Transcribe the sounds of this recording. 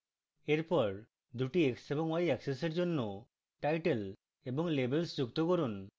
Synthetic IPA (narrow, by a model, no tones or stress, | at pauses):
eɾpɔɾ | d̪uʈieksebɔŋwajɛkseseɾd͡ʒonːo | ʈajʈel | ebɔŋlebelsd͡ʒukt̪okɔɾun